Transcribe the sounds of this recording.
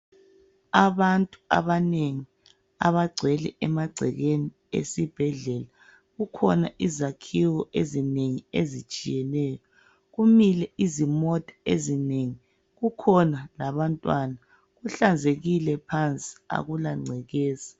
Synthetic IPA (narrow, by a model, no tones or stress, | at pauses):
aβantʼua̰βaneŋi | a̰βaɡ͡ǀʱɛlɛ̰ɛmaɡ͡ǀʱɛ̰ɣeni | ḛsib̥ʱɛɮɛla | ɣukʰɔnaʔizakʰiwɔʔezineŋiezit͡ʃʼijɛnɛːjɔ | ɣumilɛʔizimɔtʼḁezineŋi | ɣukʰɔnalaβantʼwana | ɣuɬand͡zʱeɣilɛpʰant͡sʼi̥a̰ɣulaŋ͡ǀʱɛɣeːzḁ